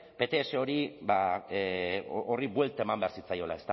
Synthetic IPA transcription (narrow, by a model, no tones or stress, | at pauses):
pe̞t̪e̞ːseo̞ɾiba | oriβwe̞lt̪ae̞mambe̞aɾsit͡sajo̞la̰e̞st̪a